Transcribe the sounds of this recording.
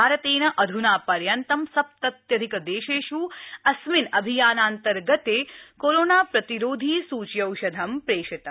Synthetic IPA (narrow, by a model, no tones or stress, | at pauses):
aːɾɐt̪eːnɐʔɐd̪ʱunaːpɐɾjɐnt̪ɐmsɐp̚t̪ɐt̪jɐd̪ʱikɐd̪eːʃeːʃuːɐsminɐbʱijaːnaːnt̪ɐɾɡɐt̪eːkoɾoːnaːpɾɐt̪iɾoːd̪ʱiːsuːt͡ʃjɐwʃɐd̪ʱɐmpɾeːʃɐt̪ɐ